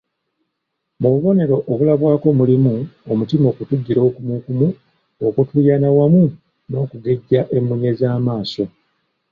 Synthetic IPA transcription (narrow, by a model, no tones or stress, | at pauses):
muβuβo̞ne̞ɾo̞ʔoβulaβwaːko̞mulimuomutimo̞ːkutuɟːiɾo̞ːkumukumu | okutujanawamu | no̞ːkuɡe̞ɟːaʔe̞mːuɲe̞zaːmaːso̞